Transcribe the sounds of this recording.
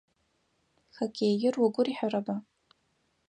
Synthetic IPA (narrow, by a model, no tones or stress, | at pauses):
xakʲʰeːjɪrwaɡʷʊriħaraba